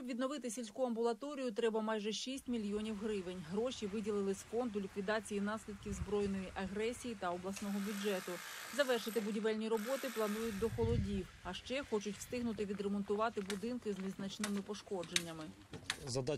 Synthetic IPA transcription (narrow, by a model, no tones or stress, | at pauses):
ʃɔbʋʲid̪nɔʋɪt̪ɪsʲilʲsʲkuɐmbʊlˠɐt̪ɔɾʲijʊt̪ɾɛbɐmɑjʒɛʃisʲtʲmʲilʲjɔnʲiwɦɾɪʋenʲɦɾɔʃiʋɪdʲilˠɪlˠɪsfɔnd̪ʊlʲikʋʲid̪ɑt͡sʲijinɑsʲlʲid̪̚kʲiwzbɾɔjnɔjiʔɐɦɾɛsʲijit̪ɐɔblˠɐsnɔɦɔbʲud͡ʒɛt̪ʊzɐʋɛrʃɪt̪ɪbʊdʲiʋɛlʲnʲiɾɔbɔt̪ɪplˠɐnujʊt̚ʲd̪ɔxɔlˠɔdʲiwɐʃt͡ʃɛxɔt͡ʃʊtʲw̥st̪ɪɦnʊt̪ɪʋʲid̪ɾemɔnt̪ʊʋɑt̪ɪbʊd̪ɪnkɪznʲiznɐt͡ʃnɪmɪpɔʃkɔd͡ʒenʲːɐmɪ | zɐd̪ɑ